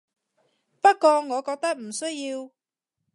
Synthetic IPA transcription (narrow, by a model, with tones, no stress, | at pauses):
pɐ˥t̚kɔː˧ŋɔː˨˧kɔː˧k̚t̪ɐ˥k̚m̩˨˩sɵ˥ɥjiː˧w